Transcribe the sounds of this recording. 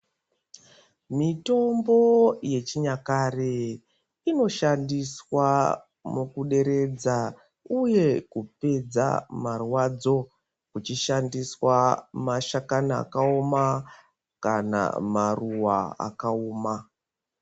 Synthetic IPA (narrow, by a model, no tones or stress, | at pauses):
mito̞mbo̞je̞t͡ʃiɲakare | ino̞ʃandiswa | mukuɗe̞ɾe̞d͡za | uje̞kupe̞d͡za̰marwad͡zo̞ | kut͡ʃiʃandiswamaʃakana̰ːkaoma | kana̰maruwaa̰kaoːma